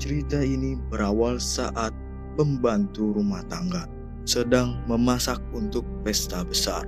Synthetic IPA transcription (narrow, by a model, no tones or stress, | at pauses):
t͡ʃəɾit̪ainibəɾawalsaʔat̪̚ | pəmbant̪uɾumaht̪aŋɡa | sədaŋməmasak̚unt̪ʊk̚fɛst̪abəsa̰r